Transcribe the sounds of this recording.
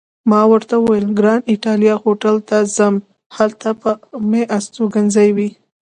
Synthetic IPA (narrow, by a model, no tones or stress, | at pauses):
mɑwəɾt̪awəwjelɡɾɑnɪʈɑlijɑxoʈalt̪azam | halt̪apəmeʔast̪oɡanzajwi